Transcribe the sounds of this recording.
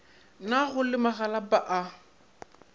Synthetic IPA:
naɣʊlɪmaɣalapaʔa

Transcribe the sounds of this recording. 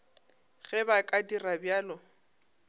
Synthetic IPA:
ɣɛbakʼadirabjaːlɔ

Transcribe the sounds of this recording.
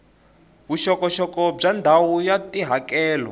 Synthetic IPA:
βuʃɔkɔʃɔkɔb͡ʐand̪ʱawujatiɦakɛːlɔ̰

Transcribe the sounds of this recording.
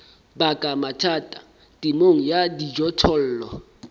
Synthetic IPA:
bakʼamatʰaːtʼa | tʼimoŋ̩jadid͡ʒɔtʰɔl̩ːlɔ

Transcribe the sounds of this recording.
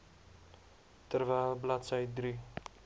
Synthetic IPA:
t̪ərvæːlblɐt̪səjd̪ɾi

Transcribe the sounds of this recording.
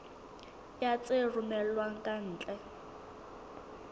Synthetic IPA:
jat͡sʼerumɛlwaŋ̩kʼan̩ːt͡ɬʼɛ

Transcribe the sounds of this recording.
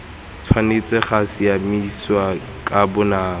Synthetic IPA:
tʰwanet͡sʼɛχasijamiswa | kʼabʊnaː

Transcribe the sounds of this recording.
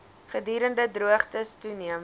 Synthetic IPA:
χədyːɾəndədruəχtəstuniəm

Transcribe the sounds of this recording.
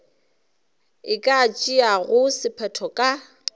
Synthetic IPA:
ɪkʼaːt͡ʃʼiaɣʊsɪpʰɛtʰɔkʼa

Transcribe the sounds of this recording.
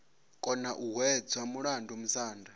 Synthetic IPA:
kʼɔnaʔuɦwɛd͡zwamuɺandʱumusaːndʱa

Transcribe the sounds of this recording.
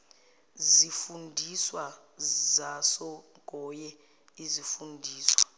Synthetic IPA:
zifundʱiswa | zasɔ | ɡʱɔjɛ | izifundʱiːswa̰

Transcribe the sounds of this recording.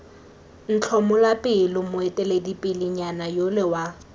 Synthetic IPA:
n̩t͡ɬʰɔmʊlapʼɪlɪmʊɛtʼɛledipʼɪlɪɲanajolɪwa

